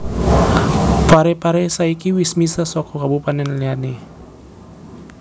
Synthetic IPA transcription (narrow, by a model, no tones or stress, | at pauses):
paɾɛpaɾɛsaikiwismisasɔkɔkabupanɛnliani